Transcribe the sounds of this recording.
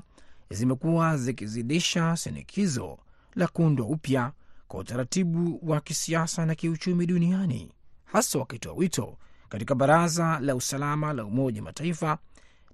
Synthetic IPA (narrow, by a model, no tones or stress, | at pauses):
zimɛkuazikiziɗiʃasḭnḭkʰizɔ̰ | lakundwaupjakwa̰utaɾatiɓuwakisiasanakiut͡ʃumiɗunianḭhasawakitɔa̰witʰɔ̰katikaɓaɾazalausalamalaumɔʄama̰taifa